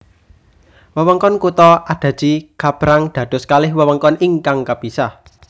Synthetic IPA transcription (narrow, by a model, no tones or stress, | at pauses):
wəwəŋkɔnkut̪ɔʔad̥ä̤d̥d͡ʒ̥iɡ̥ab̥ɾaŋd̪̥ä̤d̪̥ʊ̤skalɪhwəwəŋkɔniŋkaŋkab̥isah